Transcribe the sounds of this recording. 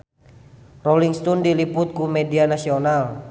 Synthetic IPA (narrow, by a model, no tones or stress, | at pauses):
roliŋst̪ɔndiliput̪̚kumedianasional